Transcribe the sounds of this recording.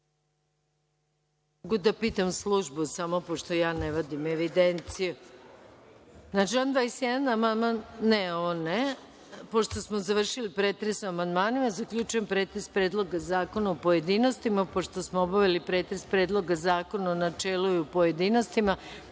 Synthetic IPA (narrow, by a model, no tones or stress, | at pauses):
oɡud̪apiːt̪amslˠuʒbusamopo̞ʃt̪ojaːneʋad̪ime̞ʋid̪ent̪siju | nad͡ʒand̪ʋajsjɛd̪anamand̪manːeoʋone | po̞ʃt̪o̞smozaʋr̩ʃilipɾeːt̪ɾesuamand̪maːnimazakʎʲut͡ʃujempɾet̪ɾespɾed̪lˠo̞ɡazaːko̞naopoje̞d̪ino̞st̪imapoʃt̪osmoobaʋelipɾeːt̪ɾespɾe̞ːd̪lˠo̞ɡazaːko̞nanat͡ʃelujupo̞je̞d̪inost̪ima